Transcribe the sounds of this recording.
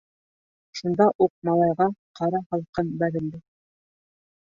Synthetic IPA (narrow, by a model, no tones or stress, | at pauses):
ʃund̪ɑʔuq̚mɑlˠɑjʁɑqɑɾɑhɑlˠqɤnbæɾɘ̆ld̪ɘ